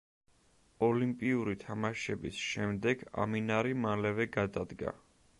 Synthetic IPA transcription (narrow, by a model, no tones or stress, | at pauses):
ɔlimpʼiuɾit̪ʰamaʃɛbisʃɛmd̪ɛɡ̥a̰minaɾimalɛvɛɡad̪ad̪ɡa̰